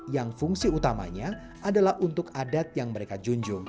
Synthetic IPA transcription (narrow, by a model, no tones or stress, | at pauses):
jaŋfuŋsiut̪ama̰ɲa | ʔadalahunt̪ʊkadat̪̚jaŋməɾekad͡ʒuɲd͡ʒʊŋ